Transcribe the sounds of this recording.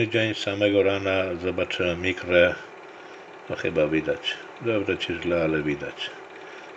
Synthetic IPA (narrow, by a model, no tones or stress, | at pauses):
id͡ʒaɲsamɛɡɔɾanazabat͡ʃʰɛmikɾɛ | axɛbavid̪at͡ʃ | d̪ɛbɾɛt͡ʃʰiʒlaːlɛvid̪a̰t͡ʃ